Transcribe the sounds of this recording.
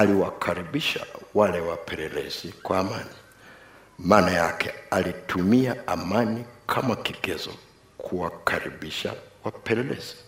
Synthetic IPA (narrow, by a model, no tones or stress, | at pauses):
aliwakʰaɾiɓiʃa̰walɛwapʰɛlɛlɛ̰zikwaːmani | maːnajakʰɛalitʰumiaamanikʰamakiɡɛzɔ | kʰuwakʰaɾḭɓiʃa̰wapɛlɛlɛ̰z̥i̥